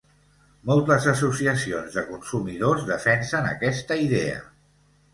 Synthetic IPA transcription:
mɔlˠt̪əzəz̬usiəsionzðəkunsumiðozðəfɛnsənə̰kɛst̪əiðḛə̰

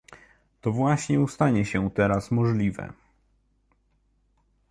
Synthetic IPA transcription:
t̪ɔvwaɕɲɛust̪aɲɛɕɛt̪ɛɾasmɔʐlʲivɛ̰

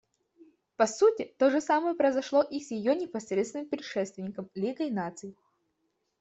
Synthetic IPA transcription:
pɐsutʲɪt̪oʐɨsaməjəpɾɐjzɐʂlˠoʔisʲjɪjonʲɪpɐsɾʲet̪st̪vɪnɨmpɾʲɪʂɛt̪st̪vʲɪnʲɪkəmlʲiɡəɪnat̪sɨjɪ

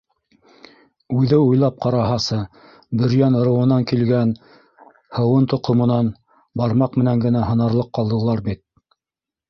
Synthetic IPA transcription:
ʉðɘujlˠɑp̚qɑɾɑɦɑsɤ | bɘ̆ɾjænŏɾɤ̆wɤ̆nɑŋkilɡæn | hɤ̆wɤnt̪ŏqʰŏmɤ̆nɑn | bɑɾmɑqmɘ̆næŋɡɘ̆næɦɤ̆nɑɾlˠɤqːɑlˠd̪ɤ̆lˠɑɾbit̪̚

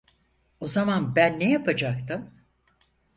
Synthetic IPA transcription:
o̞zamanbænːejapʰad͡ʒak̚t̪ʰɯm

